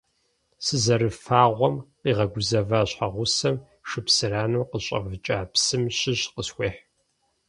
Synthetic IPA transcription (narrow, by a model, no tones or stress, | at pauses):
sɨzɐrɨfaːʁʷɔmqiːʁɐɡʷʊzɐvaːɕħaʁʷʊsɐm | ʂɨpsɨraːnuːqəɕʼɐ̰vɨt͡ʃʼaːpsɨmɕɪɕqəsxʷeːħ